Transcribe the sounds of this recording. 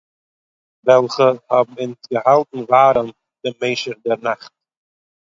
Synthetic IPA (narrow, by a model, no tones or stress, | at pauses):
vɛlˠχəhɔbm̩ɪnsɡəhalˠtn̩vaːɾən | d̥əmeɪʃəɾdɛɾnaχt̚